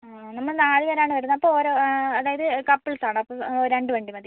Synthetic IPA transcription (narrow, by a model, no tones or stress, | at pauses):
anɐmːɐɭnaːðiɣɐɾaːɳɨʋɐɾunːɐpːooːɾo̞ːɐðaːjɐðɨkɐpːiɭsaːɳɨɐpːoɾe̞ɳɖɨʋe̞ːɳɖiumɐði